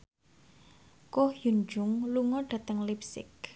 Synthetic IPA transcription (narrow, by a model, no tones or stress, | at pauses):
kohjund͡ʒʊŋluŋɔɖ̥ä̤t̪əŋlip̚sɪ̰k